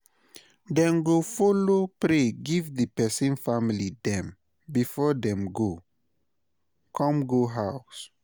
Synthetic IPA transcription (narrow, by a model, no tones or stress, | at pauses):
dɛ̃mɡofolopɹeɡivdəpɛsĩnfamilidɛ̃m | bifɔdɛ̃mɡo | kʰɔ̃mɡoɦaʊs